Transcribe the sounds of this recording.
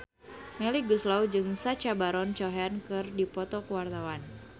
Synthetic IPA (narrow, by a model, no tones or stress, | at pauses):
mɛliɡuslawd͡ʒɨŋsat͡ʃabaɾɔnt͡ʃɔɦɛnkɨrdipɔt̪ɔkəwart̪awan